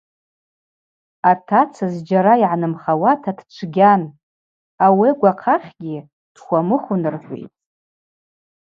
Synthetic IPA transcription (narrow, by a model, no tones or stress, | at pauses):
atʰat͡sʰazd͡ʒaɾaiʕanɨmχawatʰadʈ͡ʂʷʰɡʲan | awiaɡʷaqʰaχʲɡʲi | d̥χʷamɨχʷʊnɨrħʷḛjtʼ